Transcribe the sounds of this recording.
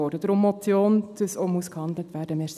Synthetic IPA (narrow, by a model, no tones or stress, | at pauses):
ɔɾdəd̪əɾʊmːɔt͡sjoːnd̥əsomuskhɑnd̪lətʋ̥æːɾdəmes